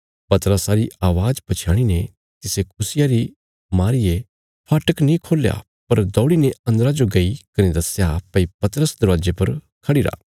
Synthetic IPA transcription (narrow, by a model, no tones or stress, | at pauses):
pɐt̪əɾəsaɾiaːʋaːd͡ʒpɐt͡ʃʰjaːɽ̃inɛ | t̪ɪsek̚ʰʊsɪjaɾi | maːɾɪje | pʰaːʈəknĩkʰoːlja̰ | pɐɾd̪ɔːɽinɛɐ̃nd̪əɾad͡ʒoɡɐikɐned̪ɐsjapɐipɐt̪əɾəsd̪ɐɾʋaːd͡ʒepɐɾ | kʰɐɽiɾa̰ː